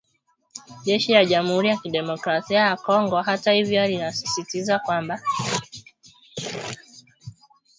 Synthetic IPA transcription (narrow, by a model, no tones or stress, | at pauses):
ʄɛʃilaʄam̩huɾijakiɗɛmɔkɾasiajakɔŋɡɔɦatahivjɔalinasi̥sitizakwamba